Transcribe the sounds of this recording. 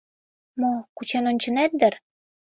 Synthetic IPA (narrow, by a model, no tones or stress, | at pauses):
mokut͡ɕenonʲt͡ɕə̆næt̪̚d̪ə̆r